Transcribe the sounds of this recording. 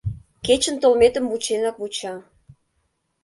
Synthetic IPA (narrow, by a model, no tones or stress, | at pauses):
ket͡ɕə̆nt̪olmet̪ə̆mvut͡ɕenɑkβut͡ɕɑ